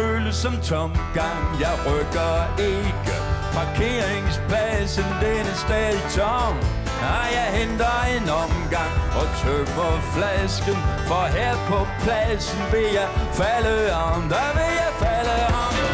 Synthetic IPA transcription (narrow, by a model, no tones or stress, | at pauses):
øləsɒmt͡sʰɔmɡ̥ɑ̈ŋjɑɪʁœɡ̥ɐeɡ̥əpʰɑ̈kʰe̝ːɐeŋspʰæsəndenəsd̥ɛðt͡sʰɔŋ | ajɑɪɦend̥ɐenɒmɡ̥ɑ̈ŋɒt͡sʰøməflæsɡ̥ənfɒɦɛɐpʰɔpʰlæsən̩ʋeljɑɪfæləɒndəʋejɑɪfæləɒn